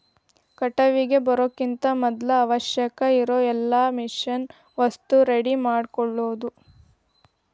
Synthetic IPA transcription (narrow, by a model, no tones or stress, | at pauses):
kɐʈɐʋiɡe̞bɐɾokːint̪ɐmɔd̪lɐːʋɐʃjɐkɐiɾoːɛlːaːmiʃɐn | ʋɐst̪uɾe̞ɽimaːɖkɔɭːoːd̪u